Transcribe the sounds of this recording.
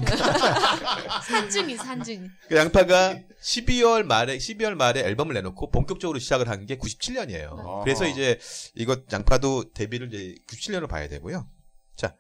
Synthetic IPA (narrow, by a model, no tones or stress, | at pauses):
sʰand͡ʑɯŋisʰand͡ʑɯŋikɯjaŋpʰaɡa | ɕʰibiwʌɭmaɾeɕʰibiwʌɭmaɾe̞ʌɭbʌmɯɭːnːe̞nokʰopoŋkjʌk̚t͡ɕ͈ʌɡɯɾoɕʰid͡ʑaɡɯɭɦanɯnɡe̞kuɕʰi̥p̚t͡ɕʰiʎjʌɲiḛjo̰kɯɾe̞sʰʌid͡ʑe̞iɡʌt̚ja̰ŋpʰadote̞biɾɯɭd͡ʑekuɕi̥pt͡ɕʰiɭːjʌnopa̰ja̰dwe̞̰ɡojot͡ɕa